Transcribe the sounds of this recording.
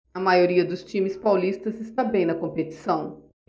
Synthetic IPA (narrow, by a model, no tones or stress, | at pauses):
ɐmajoɾiɐd̪ʊst͡ʃĩmɪspawlist̪ɐzɪst̪abẽj̃nɐkõmpet͡ʃi̥sɐ̃w̃